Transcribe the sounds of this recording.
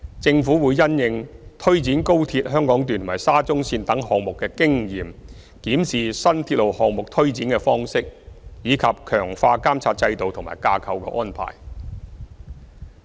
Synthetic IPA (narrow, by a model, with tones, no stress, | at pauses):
t͡sɪ˧ŋfuː˨˥wuː˨˧jːɐ˥njɪ˧ŋt̪ʰɵ˥ɥt͡siː˨˥nko˥wt̪ʰiː˧t̚ɦœː˥ŋkɔː˨˥ŋt̪y˨nt̪ʰmaː˨˩jsaː˥t͡sʊ˥ŋsiː˧nt̪ɐ˨˥ŋhɔː˨ŋ̚mʊ˨kːɛː˧kɪ˥ŋjiː˨˩m | kiː˨˥msiː˨sɐ˥nt̪ʰi˧t̚lo˨˩whɔː˨k̚mʊ˨k̚t̪ʰɵ˥ɥt͡siː˨˥nkɛː˧fɔː˥ŋsɪ˥k̚jiː˨˧kʰɐ˨p̚kʰœː˨˩ŋfaː˧kaː˥mt͡sʰaː˧t̚t͡sɐ˧jt̪o˨wt̪ʰʊ˨˩ma̰ː˨˩jkaː˧kʰɐ˨˧wkɛ̰˧ʔɔ̰ː˥npʰa̰ː˨˩j